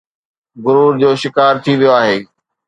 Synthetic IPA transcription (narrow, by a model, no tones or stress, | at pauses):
ɡʊɾuːɾd͡ʑoːʃɪkaːɾt̪ʰiʋijoaːɦeː